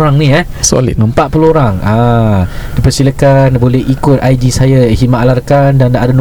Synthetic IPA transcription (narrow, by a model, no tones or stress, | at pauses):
ɾaŋnia | so̰lḭəmpat̪̚pulooɾaŋa | dipərsilakanbolɛɦikʊt̪̚ajdisajaɦimaʔalarkandanadan